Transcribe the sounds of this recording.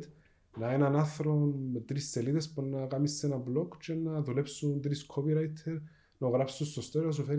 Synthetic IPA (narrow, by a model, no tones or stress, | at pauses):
t̪ | nɐenɐnaθɾonmet̪ɾisːeliðespunnɐkamisːenɐblo̞kt͡ʃʰenɐðule̞psund̪ɾiskʰopiɾajt̪ʰːeɾ | nɐoɣɾapsunst̪ost̪oɾis̬ufeɾ